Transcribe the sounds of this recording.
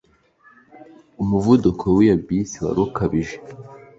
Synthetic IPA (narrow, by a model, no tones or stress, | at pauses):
umuvudukʰowijabisiwa̰ɾukaβiʒe